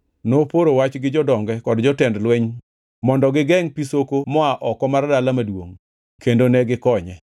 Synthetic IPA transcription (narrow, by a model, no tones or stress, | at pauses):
nopoɾowat͡ʃɡɪd͡ʒɔdɔŋɡɛkɔdd͡ʒɔtɛndlweɲ | mɔndɔɡɪɡɛŋpisokomɔaʔɔkɔmardalamadwoŋ | kendonɛɡɪkɔɲɛ